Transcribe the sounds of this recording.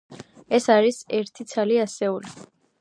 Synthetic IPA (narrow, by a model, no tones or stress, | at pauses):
ɛsaɾisɛɾt̪ʰit̪sʰaliasɛuli